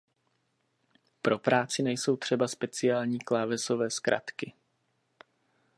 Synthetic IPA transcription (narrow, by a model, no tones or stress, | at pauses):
pɾo̞pɾaːt͡sɪnɛjso̞wt̪r̝̥ɛbaspɛt͡sɪaːlɲiːklaːvɛso̞vɛːskɾʔa̰t̪kɪ